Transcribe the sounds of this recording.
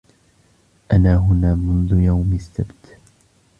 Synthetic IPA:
ʔanaːɦʊnaːmʊnðʊjawmɪsːabt̪

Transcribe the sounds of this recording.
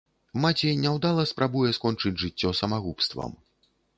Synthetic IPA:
mat͡sʲejnʲɛwd̪alˠɐspɾabujɛskɔnt͡ʂɨd͡zʲʐɨt͡sʲːɔsɐmaɣupst̪vɐ̰m

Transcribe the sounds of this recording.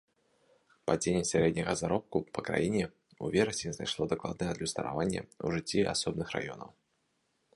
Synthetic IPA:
pɐd͡zʲenʲɛsʲaɾʲɛd̪ʲnʲɐɣɐzaɾɔp̚kupɐkɾa̰jinʲɛ | uvʲɛɾɐsʲɪznajʂlˠɔd̪aklˠa̰d̪̚nɨjɛɐd̪lʲust̪ɐɾa̰vanʲːɛ̰ṵʐɨt͡sʲːia̰sɔbnɨxɾa̰jɔ̰nɐ̰w

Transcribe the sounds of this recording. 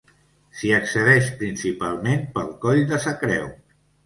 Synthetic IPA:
siəksəðɛʃpɾinsipalˠmenpəlˠkɔʎðəsəkɾɛ̰w

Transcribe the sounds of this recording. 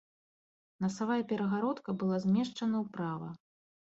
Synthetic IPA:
nɐsavajɐpʲɛɾɐɣaɾɔt̪kɐbɨlˠazʲmʲɛʂt͡ʂɐnɐwpɾavɐ̰

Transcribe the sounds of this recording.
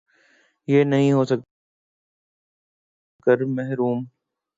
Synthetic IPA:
jeːnɐɦĩɦoːsək | kəɾmɛɦɾuːm

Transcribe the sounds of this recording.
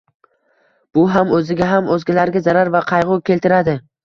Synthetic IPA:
b̥ʊɦamɵzɪɡʲaɦamɵzɡʲalaɾɡʲazaɾaɾvaqʰɑjʁʊkʲʰe̞lt̪ɪɾad̪ɪ

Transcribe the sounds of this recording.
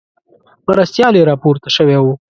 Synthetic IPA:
məɾast̪jɑleɾɑpoɾt̪aʃəwewu

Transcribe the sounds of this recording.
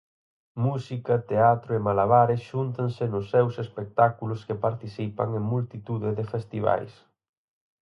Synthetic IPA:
musikɐt̪eat̪ɾʊemalaβaɾɪsʃunt̪ɐnsɪnʊsːɛwsespek̚t̪akulʊskepaɾt̪iθipɐ̰ŋeŋmult̪it̪uðɪðɪfest̪iβa̰js

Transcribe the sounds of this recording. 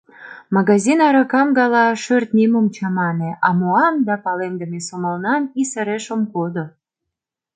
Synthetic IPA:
mɑɣɑzinɑɾɑkɑmɡɑlɑʃørt̪nimumt͡ɕɑmɑneʔɑmoɑmd̪ɑpɑlemd̪əmesoməlnɑnisə̆ɾeʃomkod̪o

